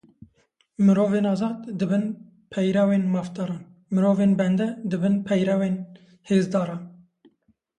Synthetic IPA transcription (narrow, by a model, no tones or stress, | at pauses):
mɨɾoːveːnɑːzɑːd̪d̪ɨbɨn | pʰɛjɾɑweːnmɑːft̪ɑːɾɑːn | mɨɾoːveːnbɛnd̪ɛd̪ɨbɨnpʰɛjɾɑweːn | heːzd̪ɑːɾɑːn